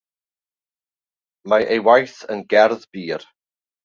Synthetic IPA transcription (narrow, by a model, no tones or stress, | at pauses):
majʔejwajθənɡɛɾðb̥iːɾ